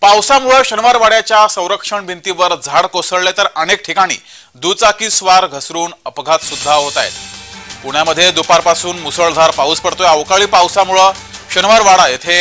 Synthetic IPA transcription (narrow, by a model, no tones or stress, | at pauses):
pawsamuɭəɕənʋaɾʋaɽjat͡ɕjasə̃w̃ɾəkʂəɳbʱint̪iʋəɾd͡zʱaɽkosəɭlet̪əɾənek̚ʈʰikaɽ̃ḭː | d̪ut͡sakiːsʋaɾɡʱəsɾuːnəpɡʱat̪sud̪ʱːaɦot̪ajḛt̪puɳjaməd̪ʱːjed̪upaɾpasuːnmusəɭd̪ʱaɾpauːspəɽt̪ojəʋkaɭiːpawsamuɭə | ɕənʋaɾʋaɽajet̪ʰe